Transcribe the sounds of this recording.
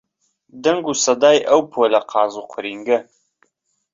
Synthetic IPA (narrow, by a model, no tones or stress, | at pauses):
d̪ɐŋɡuːsɐd̪aːjʔɐwpʰoːlɐqʰɑːzuqʷʰʊɾiːŋɡɐ